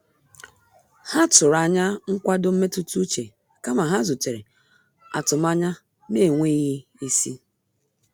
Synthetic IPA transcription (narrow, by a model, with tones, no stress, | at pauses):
ha˦tʊ˨ɾa˨ɲa˦ŋ̩˦kʷa˦dʊ˦m̩˦me˦tu˦tu˦t͡ʃe˨ | ka˦ma˨ɦa˦zu˨te˨ɾe˨ | a̰˨tʊ˨ma˦ɲa˦ | me˦˨ŋʷe˦ɣi˦i˦si˦